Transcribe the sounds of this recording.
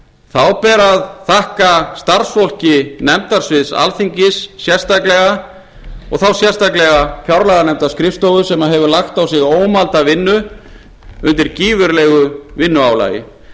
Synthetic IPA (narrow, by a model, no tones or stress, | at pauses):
θawpɛːɾaðθahkast̪aɾ̥sfɔl̥cɪnɛmt̪aɾ̥svɪðsa̰lθiɲcɪsːjɛr̥st̪aklɛɣa | ɔ̰ɣθawsjɛrst̪aklɛɣafjawɾlaɣanɛmt̪askɾɪft̪owɣʏsɛmaðɦɛvʏlaxt̪awsɪɣoːwmalt̪avɪnːʏ | ʏnt̪ɪɾciːvʏɾlɛɣʏvɪnːʏawla̰ːjɪ̰